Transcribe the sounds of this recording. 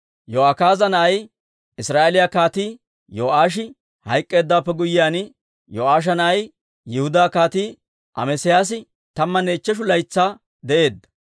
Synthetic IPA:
joːakaːzɐnɐʔɐj | ʔɪsɾaːʔelɪjakaːt̪iː | joːʔaːʃ̬ɪ | hɐjkʼːe̞ːd̪ːaːpːɛɡʊjːɪjaːn | joːʔaːʃ̬ɐnɐʔɐj | jɪhʊd̪aːkaːt̪iː | ʔɐ̰mɛsɪjaːs̬ɪ | t̪ɐmːɐneːt͡ʃːɛʃ̬ʊlɐjt͡sːaː | d̪ɛʔe̞ːd̪ːɐ̥

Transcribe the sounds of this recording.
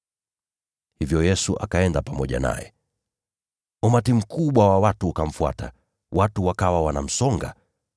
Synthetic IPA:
hivjɔjɛsuʔa̰kaɛndapamɔʄa̰na̰jɛ̰ | ɔmatim̩kuɓwawawatuːkam̩fua̰ta̰ | wʔatuwakawawanam̩sɔŋɡa̰

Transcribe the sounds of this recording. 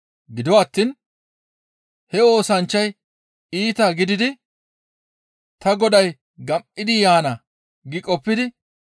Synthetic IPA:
ɡɪd̪ɔaːt̪ːiːn | hɛo̞ːsɐnt͡ʃːɐj | iːt̪ɐɡɪd̪ɪd̪ɪ | t̪ɐɡɔd̪ɐj | ɡɐmʔɪd̪ɪjaːnɐ | ɡɪkʼɔpːɪd̪ɪ

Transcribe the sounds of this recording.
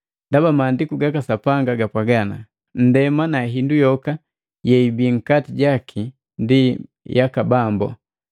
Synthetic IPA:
ndabamaːndikuɡakasapaŋɡaɡapaɡana | n̩dɛmanaɦindujɔka | jɛibiŋ̩katiɟakʰi | ndi | jakabambɔ̰

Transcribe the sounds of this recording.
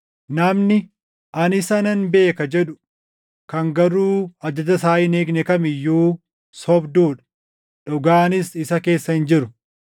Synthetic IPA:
nɐmnɪ | ʔɐnɪsɐnɐnbe̞ːkɐd͡ʒɛᶑʊ̥ | kɐŋɡɐɾuːɐd͡ʒːɐd͡ʒ̪ɐsaːʔɪne̞ːɡnɛkɐmɪjːuː | sɔbd̪uːᶑɐ̥ | ᶑɔɡaːnɪsɪsɐke̞ːsːɐhɪnd͡ʒɪɾʊ

